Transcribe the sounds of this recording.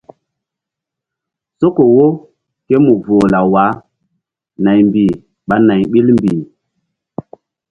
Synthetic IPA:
so˦ko˨wo˦ | ke˦mu˨vo˨la˨wa˨˦ | na˨jmbi˨ | ɓa˨na˨jɓi˦lmbi˨

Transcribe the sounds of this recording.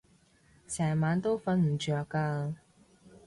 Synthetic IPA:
sʰɛː˨˩maː˨˥nt̪o˥wfɐ˧˥nm̩˨˩t͡ʃœː˨˧kːaː˧

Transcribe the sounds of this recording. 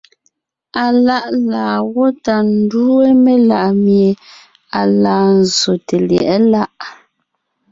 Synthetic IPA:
a˨la˦ʔlaː˨ɣɔ˦ta˨n̩˦du˦e˦me˦la˦˨ʔmje˨ | a˨laː˨n̩˨zo˨te˨ljɛ̰˨ʔɛ˦la˦ʔ

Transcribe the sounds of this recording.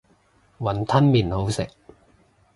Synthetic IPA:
wɐ˨˩nt̪ʰɐ˥nmiː˨nho˨˥wsɪ̰˨˩k̚

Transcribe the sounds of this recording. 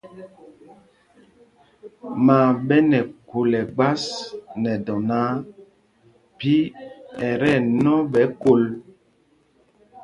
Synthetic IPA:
maː˨ɓɛ˦nɛ˨ko˨lɛ˨ɡ͡ba˦snɛ˨dɔ˨na˦ | pi˦ɛ˨ɾɛ˦˨nɔ˦ɓɛ˨˦ko˨l

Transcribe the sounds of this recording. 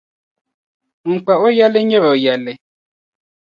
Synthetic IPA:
ŋ̩˨k͡pa˨o˦ja˦le˦ɲe˦ɾɔ˨o˨ja˨le˦

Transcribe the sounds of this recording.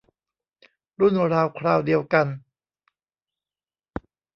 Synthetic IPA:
ɾu˥˩nɾaː˧wkʰɾaː˧wdi˧əwka˧n

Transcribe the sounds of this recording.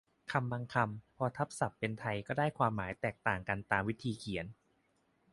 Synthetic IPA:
kʰa˧mːa˧ŋkʰa˧mpʰɔː˧t̪ʰa˦˥p̚sa˨˩pːe˧nt̪ʰa˧jkɔː˥˩daː˥˩jkʰwaː˧mːaː˩˦jt̪ɛː˨˩k̚t̪aː˨˩ŋka˧nt̪aː˧mwi˦˥t̪ʰiː˧kʰi˩˦ə˦n

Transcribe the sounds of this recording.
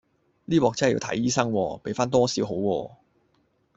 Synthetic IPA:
liː˥wɔː˨k̚t͡sɐ˥˨jḭ˧wt̪ʰɐ̰˨˥jiː˥sɐ˥ŋwɔː˧pe˨˥jfaː˥nt̪̬ɔː˥siː˨˥wɦo˨˥wwɔː˧

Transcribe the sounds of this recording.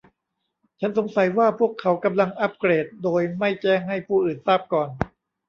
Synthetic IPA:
t͡ɕʰa˦˥nso˩˦ŋsa˩˦jwaː˥˩pʰu˥˩əkʰːa˩˦wka˧mla˧ŋʔa˦˥p̚kɾeː˨˩t̪̚doː˧jma˥˩jt͡ɕɛː˥˩ŋɦa˥˩jpʰuː˥˩ʔɯː˨˩nsaː˥˩p̚kɔː˨˩n

